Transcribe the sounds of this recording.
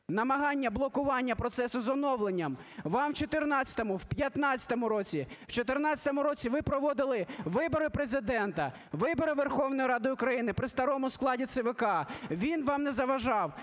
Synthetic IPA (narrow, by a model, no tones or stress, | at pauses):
nɐmɐɦɑnʲːɐblˠɔkʊʋɑnʲːɐpɾɔt̪sɛsʊzɔnɔʋlˠenʲːɐmʋɑmt͡ʃɔt̪ɪrnɑt͡sʲɐ̥t̪ɔmʊwpʲjɐt̪nɑt͡sʲɐ̥t̪ɔmʊɾɔt͡sʲiwt͡ʃɔt̪ɪrnɑt͡sʲɐ̥t̪ɔmʊɾɔt͡sʲiʋɪpɾɔʋɔd̪ɪlˠɪʋɪbɔɾɪpɾezɪd̪ɛnt̪ɐ | ʋɪbɔɾɪʋerxɔwnɔjiɾɑd̪ɪjʊkɾɐjinɪpɾɪst̪ɐɾɔmʊsklˠɑdʲit̪sɪʋekɑʋʲinʋɑmnɛzɐʋɐʒɑw